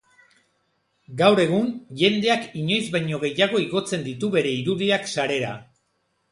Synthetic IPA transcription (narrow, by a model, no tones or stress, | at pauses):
ɡawɾe̞ɣ̞unʝe̞nd̪e̞akiɲo̞jzβaɲo̞ɣe̞jaɣ̞o̞iɣo̞t͡se̞nd̪it̪uβe̞ɾe̞iɾuðiaksaɾe̞ɾa̰